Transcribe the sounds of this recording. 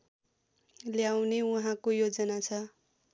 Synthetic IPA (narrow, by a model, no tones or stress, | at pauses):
ljawneuɦãkojod͡zʌnat͡sʰʌ